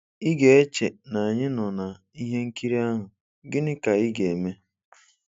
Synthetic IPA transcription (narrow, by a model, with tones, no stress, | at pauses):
i˦ɡe˨e˦t͡ʃe˨na˨a˨ɲɪ˦nɔ˨na˨ | i˦ɦe˦ŋ̩˦ki˦ɾi˦a˦ɦʊ˨ | ɡɪ˦nɪ˦ka˨i˦ɡe˨me˦